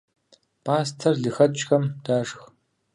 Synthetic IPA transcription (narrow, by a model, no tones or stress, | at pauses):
pʰaːstʰɐrɮɨxɐt͡ʃʼxɐmdaːʂx